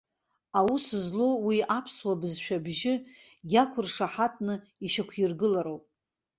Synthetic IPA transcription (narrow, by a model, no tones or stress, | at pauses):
awusɨzlowiapʰswabɨzʃʷᶣabʒɪ | jakʷʰʊrʂaħatʰnɨ | iʃakʷʰjɪrɡɨlaɾowpʼ